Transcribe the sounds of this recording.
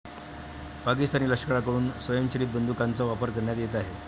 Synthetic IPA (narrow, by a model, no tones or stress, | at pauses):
pakist̪aniːləkʂə̥kəɭakəɽuːnsʋəjəmt͡ɕəɾiːt̪̚bənd̪ʱukant͡sɔʋapəɾkəɾɳjat̪jet̪̬aɦe